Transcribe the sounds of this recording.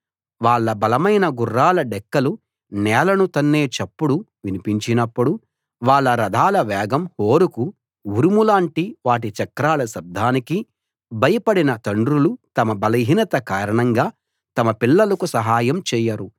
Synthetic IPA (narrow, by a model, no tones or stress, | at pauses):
ʋaːɭːɐbɐlɐmɐjnɐɡurːaːlɐɖɛkːɐlu | nɛːlɐnut̪ɐnːeːt͡ʃɐpːuɽuʋinipiɲt͡ʃinɐpːuɽu | ʋaːɭːɐɾɐd̪ʱaːlɐʋɛːɡɐmhoːɾuku | uɾumulaːɳʈiʋaːʈ̬it͡ʃɐkɾaːlɐsɐb̚d̪ʱaːniki | bʱɐjɐpɐɽinɐt̪ɐɳɖɾulut̪ɐmɐbɐlɐɦinɐt̪ɐkaːɾɐɳɐŋɡaː | t̪ɐmɐpiɭːɐlɐkusɐɦaːjɐmt͡ʃɛːjɐɾu